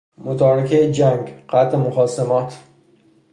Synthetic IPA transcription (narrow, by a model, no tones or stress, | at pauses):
mot̪ɒːɾekʰejd͡ʒæŋɡqæt̪emoxɒːsemɒːt̪ʰ